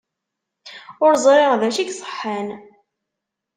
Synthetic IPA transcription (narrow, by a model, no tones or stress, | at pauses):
ʊɾzˤɾˤɪʁðæʃiɡsˤə̥ħːan